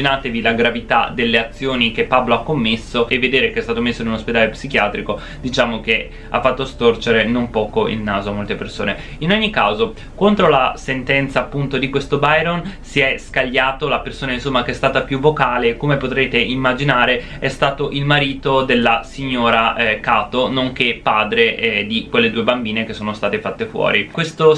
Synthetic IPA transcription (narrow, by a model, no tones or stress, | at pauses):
inaːt̪evilaɡɾavit̪a̰d̪elːeat̪sːjoːnikepːabloakːomːesːoevːed̪eːɾekeɛst̪aːt̪omesːoinunosped̪aːlepsikjaːt̪ɾiko | d̪it͡ʃaːmoke | a̰fːat̪ːost̪ort͡ʃeɾenompɔːkoḭlnaːzoamːolt̪eperso̰ːne | inoɲːikaːzo | kont̪ɾolasent̪ɛnt̪saːpːunt̪od̪ikwest̪obajɾonsiɛskaʎːaːt̪olapersoːnainsomːakeɛst̪aːt̪apjuvːokaːleːkːomepot̪ɾeːt̪eʔimːad͡ʒinaːɾe | ɛst̪aːt̪oʔilmaɾiːt̪od̪elːasiɲːoːɾakaːt̪onoŋkepːaːd̪ɾed̪ikwelːed̪uːebambiːnekesːoːnost̪aːt̪efat̪ːefwɔ̰ːɾikwest̪o